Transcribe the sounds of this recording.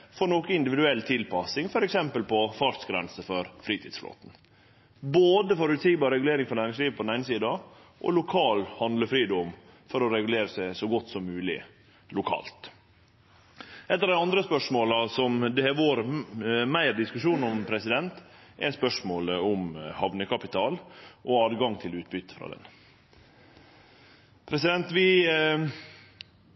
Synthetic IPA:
fɔɾɳoːkəɪnd̪ɪʋɪd̪ʉɛlːt̪ʰɪlpɑsɪŋfɔɾɛksɛmpəlpɔfɑʂsɡɾɛnsəfɔɾfɾiːt̪ʰiːd̪sflo̰ːt̪n̩ | boːd̪əfɔɾʉt̪siːɡbɑːɾɾɛɡʉleːɾɪŋfɔɾnæːɾɪŋsliːʋpʰɔd̪næɪnəsiːd̪ɑʔɔ̰lʊkʰɑːlhɑnd̪ləfɾiːd̪ɔm | fɔɾɔɾɛɡʉleːɾəsæɪsɔɡɔt̪ːsɔmːʉːlɪ̰ | lʊkʰɑ̰ːlt̪ | ʔɛt̪ːɑɾd̪æɪɑnd̪ɾəspœʂmoːlɑsɔmd̪ɛæʋoːɾmæɪɾd̪ɪskʉʂuːnɔmpʰɾɛsɪd̪ɛnt̪ʔɛɾspœʂmoːləʊmhɑʋnəkɑpɪt̪ʰɑːlʔɔɑːd̪ɡɑŋt̪ʰɪlʉːt̪̚bʏt̪ːə̥fɾɑ̰ːd̪ɛ̰n | pʰɾɛsɪd̪ɛnt̪ʋɪ

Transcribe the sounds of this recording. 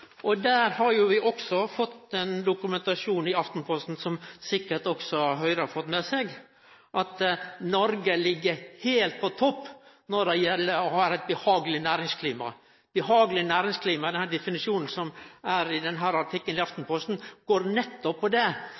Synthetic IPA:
ʔɔd̪æːɾhɑɾjʊʋɪʔɔksɔfɔt̪ːɛnd̪ʊkʉmɛnt̪ɑʂuːnɪɑft̪n̩pʰɔst̪n̩sɔmsɪkːəʈɔksɔɑɦœʏɾəɑfɔt̪ːmɛsɛɡ | ʔɑt̪nɔɾɡəlɪɡːəɾheːlt̪̚pʰɔt̪ʰɔpːnɔɖɛjɛlːəɾɔhɑɾæɪt̪̚bəhɑːɡəlɪnæːɾɪŋskʰliːmɑ̰ | b̥əɦɑːɡəlɪnæːɾɪŋskʰliːmɑd̪ɛnhæːɖɛfɪnɪʂuːnən̩sɔmæɾɪd̪ɛnɦæːɾɑʈʰɪkːənlɪɑft̪n̩pʰɔst̪n̩ɡ̥oːɾnɛt̪ːɔpʰːɔd̪ɛ

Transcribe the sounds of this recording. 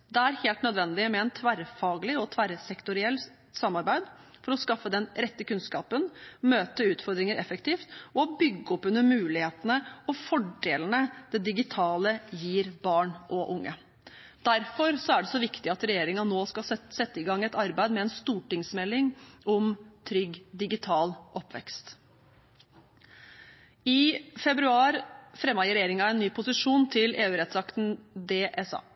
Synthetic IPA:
d̪ɛæɾheːlt̪nœd̪ʋɛnd̪ɪmɛɛnt̪ʰʋæɾfɑːɡlɪɔt̪ʰʋæɾsɛkt̪ʊɾɪɛlː | sɑmːɑɾbæɪd̪ | fɔɾɔskɑfːəd̪ɛnɾɛt̪ːəkʉnskɑ̰ːpənmøːt̪əʉːt̪fɔɾd̪ɾɪŋəɾʔɛfəkt̪ʰiːft̪ɔbʏɡːəɔpːʉnːəɾmʉːlɪheːt̪ənəɔfɔɖeːlənəd̪̥ɛd̪ɪɡɪt̪ʰɑːləjiːɾbɑːɳʔɔʔʊŋːə | d̪æɾfɔɾsɔæɖɛsɔʋɪkt̪ɪɑt̪ɾɛjeːɾɪŋɑnoːskɑsɛt̪ːəɪɡɑŋːɛt̪ɑɾbæɪd̪mɛɛnst̪uːʈɪŋsmɛlːɪŋʔɔmt̪ʰɾʏɡd̪ɪɡɪt̪ʰɑːlʔɔpːʋɛ̰kst̪ | ɪfɛbɾʉɑːɾfɾɛmːɑjɪɾɛjeːɾɪŋɑɛnːyːpʰʊsɪʂuːnt̪ʰɪleːʉːɾɛt̪sɑkt̪n̩d̪eːʔɛsɑ̰ː

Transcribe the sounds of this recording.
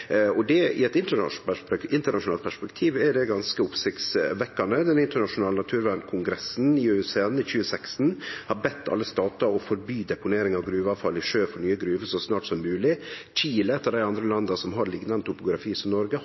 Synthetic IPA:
ɔd̪ɛɪ̰ɛt̪ɪnt̪ə̰ | ɪnt̪əɳɑʂʊnɑːlt̪̚pʰæʂpɛkt̪ʰiːʋɛɖɛɡɑnskəʊpsɪkt̪sʋɛkːɑnəd̪ɛnɪnt̪əɳɑʂʊnɑːlənɑt̪ʰʉːɾʋæɳkʰʊŋɡɾɛsnɪʉseːnɪçʉːəsɛkst̪n̩hɑɾbɛt̪ʰːɑ̰lːəst̪ɑːt̪ɑɔfɔɾbyːd̪ɛpʊneːɾɪŋɑʋɡɾʉːʋɑʋfɑlːɪʂøːfɔɾnyːəɡɾʉːʋəsɔsnɑːʈsɔmːʉːlɪt͡ʃiːləɛt̪ːəɖæɪɑnd̪ɾəlɑnd̪ɑsɔmɦɑɾlɪɡnɑnət̪ʰʊpʊɡɾɑfiːsɔnɔɾɡə

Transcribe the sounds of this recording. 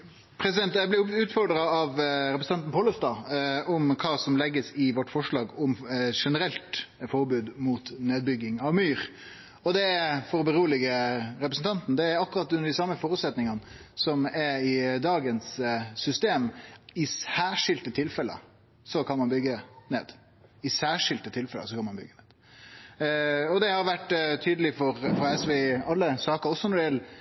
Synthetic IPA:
pʰɾɛsɪd̪ɛnt̪jæɪblɪʉːt̪fɔɾɖ̪ɾɑɑʋɾɛp̬ɾs̩ɑnt̪n̩pʰoːləst̪ɑːɔmkʰɑːsɔmlɛɡːəsɪʋɔʈːfɔʂɭɑːɡɔmʂɛnəɾɛlt̪fɔɾbʉːd̪muːt̪neːd̪bʏɡːɪŋɑʋmyːɾ | ɔd̪ɛfɔɾɔbəɾuːlɪɡəɾɛpɾəsn̩t̪ɑnt̪n̩d̪ɛæɾɑkːʊɾɑt̪ːʉnəɖɪsɑmːəfoːɾʉt̪sɛt̪nɪŋɑn | sɔmɛɾɪd̪ɑːɡənsːʏst̪eːmɪsæːʂɪlt̪ət̪ʰɪlfɛlə̰ | sɔkʰɑnmɑnbʏɡːənḛːd̪ | ɪsæːʂɪlt̪ət̪ʰɪlfɛlə̰sɔkʰɑnmɑnbʏ̰ɡːəneːd̪̥ | ɔd̪ɛhɑɾʋæʈːt̪ʰyːd̪əlɪfɔɾfɑɛsʋɛɑlːəsɑːkəɾɔsːɔnɔɖ̪ɪɛl

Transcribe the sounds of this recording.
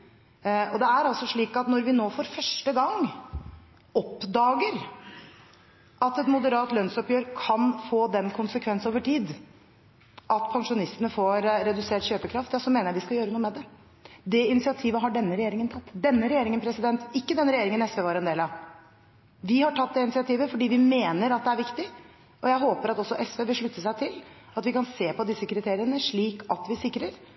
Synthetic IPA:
ɔd̪ɛæɾɑlsɔʂɭiːkɑt̪nɔɾʋɪnoːfɔɾfœʂʈəɡɑŋ | ɔpd̪ɑːɡəɾ | ʔɑt̪ɛt̪mʊd̪əɾɑːt̪lœnsɔpjøːɾkʰɑnfoːd̪ɛnkʰʊnsəkʰʋɛnsoːʋəʈʰiːd̪ | ʔɑt̪pʰɑŋʂʊnɪst̪ənəfoɾɾɛd̪ʉseːʈɕøːpəkʰɾɑft̪jɑːsɔmeːnəɾjæʋɪskɑjøːɾənuːəmɛd̪ɛ | d̪ɛɪnɪsɪɑt̪ʰiːʋəɦɑɖɛnːəɾɛjeːɾɪŋənt̪ʰɑt̪ːd̪ɛnːəɾɛjeːɾɪŋənpʰɾɛsɪd̪ɛnt̪ɪkːəd̪ɛnɾɛjeːɾɪŋənɛsʋeːʋɑɾɛnd̪eːlɑʋ | ʋɪhɑʈʰɑt̪̚d̪ɛɪnɪsɪɑt̪ʰiːʋəfɔɖiːʋɪmeːnəɾɑt̪̚d̪ɛæɾʋɪkt̪ɪ | ʔɔjæɪɦoːpəɾɑt̪ɔsːɔʔɛsʋeːʋɪlʂɭʉt̪ːəsæɪt̪ʰɪlɑt̪ʋɪkɑnseːpɔd̪ɪsːəkʰɾɪt̪ʰeːɾɪənəʂɭiːkɑt̪ʋɪsɪkːɾəɾ

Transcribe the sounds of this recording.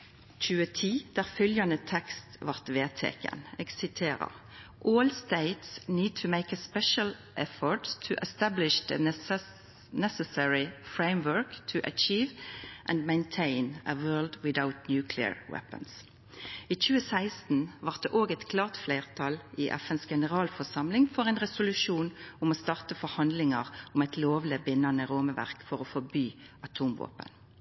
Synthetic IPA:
t͡ʃʉːət̪ʰiːd̪̥æːʁfʏljɑnət̪ʰɛkst̪ʋɑʁt̪ʋeːt̪ʰḛːkə̰neːɡsɪt̪ʰeːʁə̰ʁ | ʔɔːlst̪eɪt̪sniːt̪ʰəmeɪkəspɛʃəl̩ʔɛfɔɹʈst̪ʰəʔɛst̪æblɪʃd̪ə̰ | nɛsəsɛɹɪfɹeɪmʋɜɹkt̪ʰəʔə̰t͡ʃiːʋʔæ̃nmɛ̃ɪ̃nt̪ʰẽɪnəwɜːld̪wɪðaʊt̪njʉːkʰlɪə̰ɹwɛ̰pə̰ns | iːc͡çʉːəsæɪst̪n̩ʋɑʁt̪̚d̪eʔoːɡɛɪt̪kʰlɑːʁt̪fleːʁt̪ʰɑlʔiːʔɛ̰fɛnsɡɛnəʁɑːlfɔʁsɑmlɪŋfɔʁɛɪnʁɛsʊlʉʃuːnʊmɔːst̪ɑʁt̪əfɔɾhɑnd̪lɪŋɑʁʊmɛt̪ʰloːʋləbɪnːɑnəʁoːməʋæ̰ʁkfɔʁɔfɔbyː | ɑt̪ʰuːmʋo̰ːpə̰n

